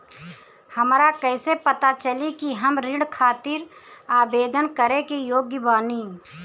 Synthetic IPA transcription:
hɐmɾakɛːsepət̪at͡ʃəlikiɦəmɾɪɽkʰaːt̪ɪɾaːbeːd̪ʱənkəɾekijoːɡjəbaːniː

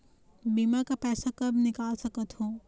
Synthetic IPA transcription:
biːmakapɛːsakɐbʱnɪkaːlsəkət̪ɦoː

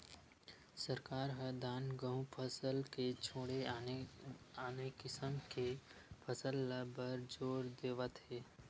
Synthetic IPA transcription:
səɾkaːɾɦəd̪aːnɡə̃ɦũpʰəsəlket͡ʃʰoːɽe | aːnekɪsəmkepʰəsəlːəbəɾd͡ʒoːɾd̪eːʋət̪ɦeː

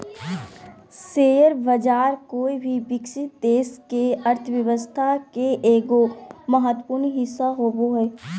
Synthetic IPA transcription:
seːəɾbəd͡ʒaːɾkoːibʱibɪksɪt̪̚d̪eːskeɐɾt̪ʰəʋjəʋəst̪ʰakeʔeːɡoməɦət̪puɾnɦɪsːaɦoːboɦɛː

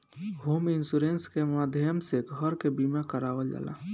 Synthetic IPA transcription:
ɦoːmɪnsuɾeːnskemaːd̪ʱjəmseɡʱəɾkebimakəɾaːʋəld͡ʒa̰ːla̰ː

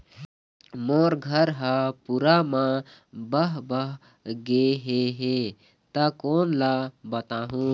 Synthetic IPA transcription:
moːɾɡʱəɾɦapuɾamãbəɦbəɦ | ɡeɦeɦe | t̪əkoːnlabət̪aːɦũ

